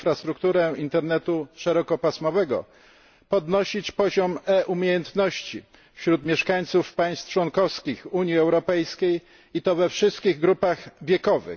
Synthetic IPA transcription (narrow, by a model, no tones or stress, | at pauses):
fɾast̪ɾukt̪uɾɛint̪ɛɾnɛt̪uʂɛɾɔkɔpasmɔvɛɡɔ̰ | pɔd̪nɔɕit͡ɕpɔʑɔmɛʔumʲjejɛnt̪nɔɕt͡ɕi | fɕɾut̪mʲjɛʂkaɲt̪sufpaj̃st̪ft͡ʂwɔnkɔfskʲixuɲjiɛwɾɔpɛjskʲej | it̪ɔvɛfʂɘst̪kʲiɣɡɾupaɣvʲjɛkɔvɘ̰